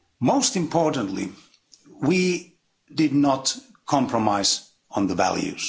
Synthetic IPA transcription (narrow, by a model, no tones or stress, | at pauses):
moʊstɨ̃mpʰɔɹʔə̃n̩tlḭ | wi | dɪdⁿnət | kʰɑ̃mpʰɹəmaɪz̃ | n̩ðəvæ̰lˠjʉ̰z̥